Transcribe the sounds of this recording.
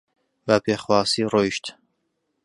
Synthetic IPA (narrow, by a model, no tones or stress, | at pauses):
bapʰeːxwɑːsiːroiʃt̪